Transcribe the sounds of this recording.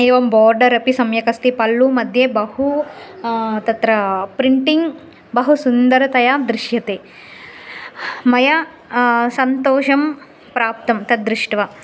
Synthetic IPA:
eːʋɐmbɔːɾɖɐɾɐpisɐmjɐkɐst̪ipɐlːumɐd̪ʱjebɐhu | t̪ɐt̪ɾɐpɾiɳʈiŋɡ | bɐɦusund̪ɐɾɐt̪ɐjad̪ɾiʂjɐt̪eː | mɐjɐ | sɐnt̪oːʂɐm | pɾaːp̚t̪ɐmt̪ɐd̪ɾiʂʈʋɐ

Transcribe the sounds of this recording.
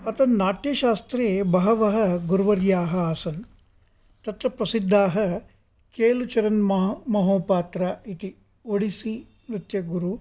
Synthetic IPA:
ɐt̪ɐnnaːʈjɐʃaːst̪ɾeːbɐɦɐʋɐɦɐɡuɾʋɐɾjaːɦɐaːsɐn | t̪ɐt̪ɾɐpɾɐsid̪ʱːaːɦɐ | keːlut͡ʃɐɾɐnmmɐɦoːpaːt̪ɾɐit̪i | oɽisi | mɾit̪jɐɡuɾu

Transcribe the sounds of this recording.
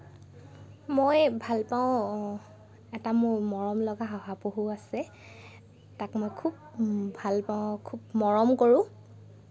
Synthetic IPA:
mojbʱalpaʊ | ɛtamʊɹmɔɹɔmlɔɡaɦɔɦapoɦuasɛ | takmojkʰub̚bʱalpaʊ̃kʰub̚mɔɹɔmkoɹʊ̃

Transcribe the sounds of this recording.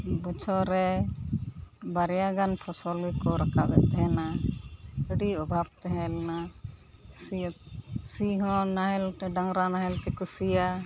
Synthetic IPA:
bɔt͡ʃʰɔɾɛ | baɾjaɡanpʰɔsɔlikɔɾakʰabɛ̰t̪ɛɦɛ̃na | əɖiɔbʱab̚t̪ɛɦɛ̃lna | s | siɦɔ̃naɦɛlɖaŋɾanaɦɛlt̪ɛkusija

